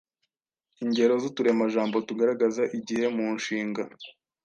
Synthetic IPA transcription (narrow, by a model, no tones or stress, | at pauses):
iɲɟe̞ɾo̞zutuɾe̞maʒaːmbo̞tuɡaɾaɡazaʔiɟihe̞muːnʃiːŋɡa